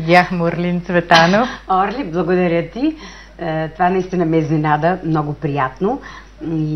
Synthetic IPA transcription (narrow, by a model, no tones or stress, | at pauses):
d̪ʲaxmoɾlʲint̪svɛt̪anoɔɾlʲiblˠɐɡod̪ɐɾʲət̪i | t̪ovanɐist̪inəmɛzninad̪əmnɔɡʊpɾijat̪no | i